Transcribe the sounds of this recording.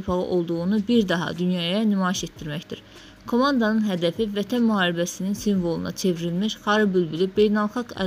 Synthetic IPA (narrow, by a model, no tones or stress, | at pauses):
pʰɑʁɯ̰ʔo̞lˠd̪uɣunubiɾd̪ɑɦɑ̰d̪ynjɑjɑnymɑːiʃe̞t̪d̪iɾmæçd̪iɾ | kʰo̞mɑnd̪ɑnɯnɦæd̪æfivæt̪ʰænmyhɑːɾibæsininsiɱvo̞lˠṵnɑ̰t͡ʃʰe̞vɾilmiʃχɑɾɯbylbylibe̞jnɑlˠxɑɡæ̰